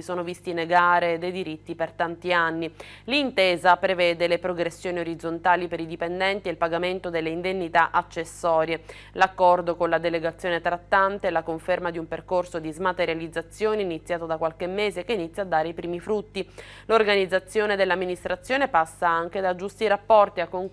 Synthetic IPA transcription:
isoːnovist̪ineɡaːɾed̪ejd̪iɾit̪ːipert̪ant̪ianːi | lint̪eːzapɾevɛːd̪elepɾoɡɾesːjoːnioɾid̪zont̪aːlipeɾid̪ipend̪ɛnt̪ielpaɡament̪od̪elːeind̪enːit̪aʔat͡ʃːesːɔːɾje | lakːɔrd̪okonlad̪eleɡat̪sːjoːnet̪ɾat̪ːant̪elakoɱfermad̪iumperkorsod̪izmat̪eɾjalid̪zːat̪sːjoːneinit̪sːjaːt̪od̪akːwalkemːeːzekeinit̪sːjaːd̪ːaːɾeipɾiːmifɾut̪ːi | lorɡanid̪zːat̪sːjoːned̪elːamːinist̪ɾat̪sːjoːnepasːaaŋk̟ed̪ad͡ʒːust̪iɾapːɔrt̪iakːoŋ

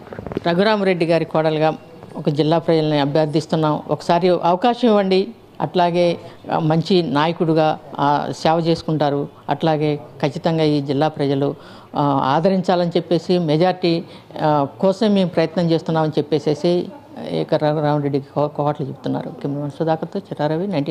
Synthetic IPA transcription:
ɾɐɡuɾaːmɾe̞ɖːiɡaːɾikɔːɽɐlɡaː | ɔkɐd͡ʒilːaːpɾɐd͡ʒɐlɐniɐbʱjaːɾd̪ʱist̪unːaːmɔkɐ̥saːɾiʔɐʋɐkaːʃɐmiʋɐɳɖi | ɐ̰ʈlaːɡe̞ːmɐɲt͡ʃinaːjɐkuɽuɡaːsɛːʋɐt͡ʃe̞ːsu̥kuɳʈaːɾu | ɐ̰ʈlaːɡe̞ːkɐt͡ʃːit̪ɐŋɡaːiːd͡ʒilːaːpɾɐd͡ʒɐlu | a̰ːd̪ʱɐɾiɲt͡ʃaːlɐnit͡ʃepːe̞ːsimɛd͡ʒaːɾiʈiː | kɔːsɐmːe̞ːmpɾɐjɐt̪nɐmt͡ʃe̞ːst̪unːaːmɐnit͡ʃepːe̞ːse̞ːsḭ | kɐɾɾaːnɾeɖːikikɔːʋaːʈlut͡ʃebut̪unːa̰ːɾukemmɐnsɐd̪aːkɐt̪ot͡ʃiɾaːɾɐʋinɐjɳʈː

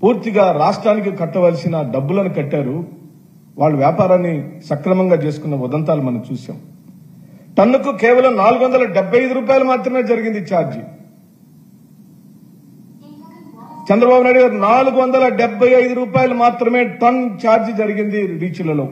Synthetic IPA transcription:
puːɾt̪iɡaːɾaːʂʈɾaːnik̬ikɐʈːɐʋɐlisinɐɖɐbːulɐnukɐʈːaːɾu | ʋaːɭːuʋjaːpaːɾaːnːisɐkɾɐmɐŋɡaːt͡ʃe̞ːsu̥kunːɐʋɔd̪ɐnt̪aːlumɐnɐmt͡ʃuːsa̰ːmu | ʈɐnːukukɛːʋɐlɐmnaːluɡuʋɐnd̪ɐlɐɖɛbʱɐjɐjd̪uɾuːp̬aːjɐlumaːt̪ɾɐme̞ːd͡ʒɐɾiɡind̪it͡ʃaːɾd͡ʒ | t͡ʃɛnd̪ɾɐbaːbunaːjɽuɡaːɾunaːluɡuʋɐnd̪ɐlɐɖɛbʱːɐjɐjd̪uɾuːpaːjɐlumaːt̪ɾɐme̞ːʈɐnt͡ʃaːɾd͡ʒd͡ʒɐɾiɡind̪iɾiːt͡ʃilːɐloː

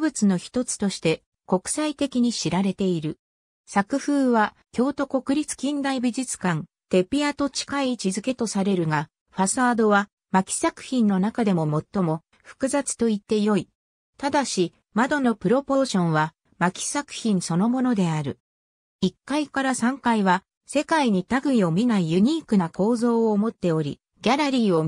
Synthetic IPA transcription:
bɯ̟t͡sɨno̞çi̥t̪o̞t͡sɨ̥t̪o̞ɕi̥t̪e̞ | ko̞kɯ̟̥sait̪e̞kʲiɲ̟iɕiɾaɾe̞t̪e̞iɾɯ̟ | sakɯ̟ɸɯ̟ːβa | kʲo̞ːt̪o̞ko̞kɯ̟ɾʲit͡sɨ̥kʲĩnd̪aibʲiʑit͡sɨ̥kãn | t̪e̞pʲiat̪o̞t͡ɕi̥kait͡ɕizɨke̞t̪o̞saɾe̞ɾɯ̟ɡa | ɸasaːd̪o̞βa | makʲi̥sakɯ̟̥çĩnːo̞nakad̪e̞mo̞mo̞t̪ːo̞mo̞ | ɸɯ̟̥kɯ̟zat͡sɨ̥t̪o̞it̪ːe̞jo̞i | t̪ad̪aɕi | mad̪o̞no̞pɯ̟ɾo̞po̞ːɕõ̞ɰ̃βa | makʲi̥sakɯ̟̥çĩɰ̃so̞no̞mo̞no̞d̪e̞aɾɯ̟ | ikːaikaɾasãŋkaiβa | se̞kaiɲ̟it̪aɡɯ̟io̞mʲinaijɯ̟ɲ̟iːkɯ̟nako̞ːzo̞ːoːmo̞t̪ːe̞o̞ɾʲḭ | ɡʲaɾaɾʲiːo̞

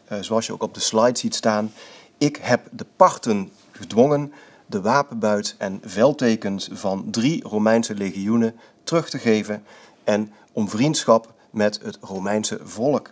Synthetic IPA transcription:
zoɑlˠsjəo̰wkɔb̚dəslɑjtsitstaːn | ɪkɦɛpdəpɑɹtən | χədʋɔŋən | dəʋaːpənbœɥtɛnvɛlˠtejkənsvɑndriromɛjnsəleχiunə | tərɵχtəɣejvən | ɛn | ɔmvrintsχɑp | mɛtɦətrowmɛjnsə̰vɔlək

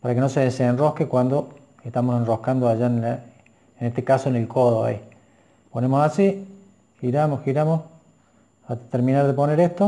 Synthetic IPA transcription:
paɾakeno̞seðesenro̞hkekwand̪o̞ | eht̪amosenrohkand̪oaʒana | enet̪ekasoenelkoðoa̰i | pone̞mosasi | xiɾamosxiɾamos | at̪eɾmĩnaɾðepo̞neɾeht̪o

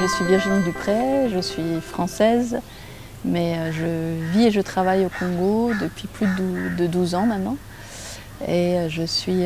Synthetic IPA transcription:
ʒəsɥivjiʁʒinid̪ypχɛʒəsɥifχɑ̃sɛz | mɛøʒəvieʒət̪χavajokɔ̃ɡod̪əpɥiplyud̪əd̪uzɑ̃mɛ̃nːɑ̃ | eøʒəsɥi

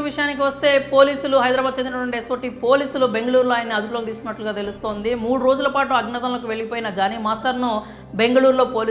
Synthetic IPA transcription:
uʋiʂɐjaːnik̬iʋɐst̪e̞ːpo̞ːliːsuluɦɐjd̪ɾaːbaːd̪̚t͡ʃend̪inɐʈʋɐɳʈiesoːʈːipo̞ːliːsulube̞ŋɡɐɭuːɾloaːjɐnːiɐd̪uploːkit̪iːskunːɐʈluɡaːt̪e̞lust̪o̞ːnd̪imuːɽuɾo̞ːd͡ʒulɐpaːʈuɐɡnɐt̪ɐnloːk̬uʋe̞ɭiɡipo̞ːjinɐd͡ʒaːnimaːsʈɐɾnu | be̞ŋɡɐɭuːɾlo̞ːpoːli

